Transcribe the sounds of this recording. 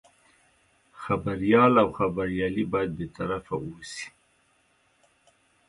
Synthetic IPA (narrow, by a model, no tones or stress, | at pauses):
xabaɾjɑlawxabaɾjɑlibɑjad̪̚bet̪aɾafawosi̥